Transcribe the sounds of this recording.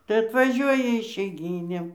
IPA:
tɐɪ ɐtʋɐˈʒʲuɔjɛ ɪʃʲɛɪˈɡʲiːnʲeːm

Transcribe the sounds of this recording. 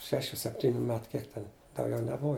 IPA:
ˈʃʲæːʃʲuː sʲɛpʲˈtʲiːnʲʊ ˈmʲæːtʊ ˈkʲiɛk tʲɛn dɐʊˈɡʲɛʊ nʲɛˈbʊʋɐ

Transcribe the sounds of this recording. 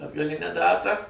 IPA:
ɐdɡɐˈlʲɪnʲæː ˈdɑːtɑː

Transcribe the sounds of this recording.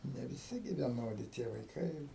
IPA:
nʲɛ ʋʲɪˈsʲɪ ɡʲɪ ʋʲiɛˈnoːdʲɪ tʲiɛ ʋɐɪˈkɐɪ ɪr

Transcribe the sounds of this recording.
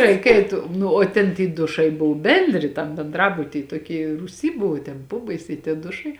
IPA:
ˈrʲɛɪk ˈɛɪt ˈnʊ oː ˈtʲɛn tʲiː ˈdʊʃɐɪ ˈbʊʋʊ ˈbʲɛnʲdʲrʲɪ tɐm bʲɛnˈdrɑːbʊtʲiː toːˈkʲiː ruːˈsʲiː ˈbʊʋʊ tʲɛn ˈpoːbɐɪsʲɛɪ tʲiɛ ˈdʊʃɐɪ

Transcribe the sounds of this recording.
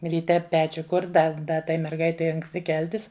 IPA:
rʲiːˈtʲɛ ˈpʲæːt͡ʃʲʊ ˈkʊrt ˈdɐ dɐ ˈtɐɪ mʲɛrˈɡɐɪtʲɛɪ ɐŋksʲˈtʲɪ ˈkʲɛlʲtʲɪs

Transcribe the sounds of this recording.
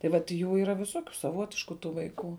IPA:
tɐɪ ʋɐt ˈjuː iːˈrɐ ʋʲɪˈsoːkʲʊ sɐˈʋoːtʲɪʃkʊ ˈtuː ʋɐɪˈkuː

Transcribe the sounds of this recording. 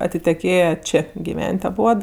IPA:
ɐtʲɪtʲɛˈkʲeːjɛ ˈt͡ʃʲeː ɡʲɪˈʋʲɛnʲtʲ ɐˈbuɔt

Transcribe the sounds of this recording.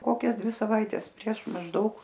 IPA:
ˈkoːkʲɛs ˈdʲʋʲɪ sɐˈʋɐɪtʲɛs pʲrʲiɛʃ mɐʒˈdɐʊk

